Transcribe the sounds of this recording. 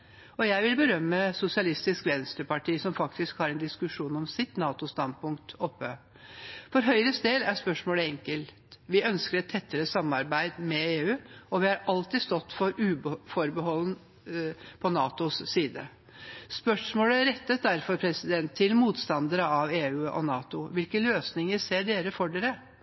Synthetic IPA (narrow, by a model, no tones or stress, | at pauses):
ɔjæɪʋɪlbəɾœmːəsʊsɪɑlɪst̪ɪskʋɛnst̪əpɑʈʰiːsɔmfɑkt̪ɪskhɑːɾɛnd̪ɪskʉʂuːnɔmsɪt̪nɑːt̪ʊst̪ɑnd̪̚pʰʊŋk̚t̪ɔpːə | fɔɾɦœʏɾəst̪eːd̪æspœʂmoːləɛŋkəlt̪ʋɪœnskəɾɛt̪ʰːɛt̪ʰːəɾəsɑmːɑɾbæɪd̪mɛeːʉːɔʋɪɑɾɑlt̪ɪːst̪ɔt̪ːfɔɾʉːbfɔɾbəɦɔlːn | pʰɔnɑːt̪ʊsːiːd̪ə | spœʂmoːləɾɛt̪ːət̪̚d̪æɾfɔɾpʰɾɛsɪd̪ɛnt̪ʰːɪlmuːt̪st̪ɑnd̪əɾəɑʋeːʉːʔɔ̰nɑːt̪ʊʋɪlkəløːsnɪŋəɾseːɖeːɾəfɔɖeːɾə